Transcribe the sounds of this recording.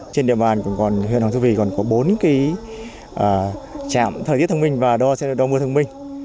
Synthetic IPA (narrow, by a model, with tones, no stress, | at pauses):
t͡ɕe˧nɗḭ˧əɓaː˨˩nkʊ̰˧˥ŋ͡mkɔ˨˩nɦwḭ˧˨nht̪ʰu˧vi˧˩kɔ˨˩nkɔ˨˦ɓo˨˦nki˨˦ | ʔəː˨˩t͡ɕa̰ː˧˨mt̪ʰə˨˩i˦˥t̪ʰə˧ŋ͡mmi˧ŋ̟vaː˨˩ɗɔ˧sɛ̰˧˥˨ɗɔ˨˧˦mɨ˧ət̪ʰə˧ŋ͡mmï˧ŋ̟